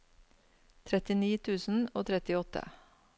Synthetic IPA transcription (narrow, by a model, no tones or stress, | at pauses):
t̪ʰɾɛt̪ɪniːt̪ʰʉːsn̩oːt̪ʰɾɛt̪ɪɔt̪ə̰